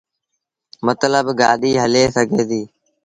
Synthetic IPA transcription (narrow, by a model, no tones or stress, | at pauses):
mət̪ləbɡaːɗiːɦəleːsəɡʱeːd̪iː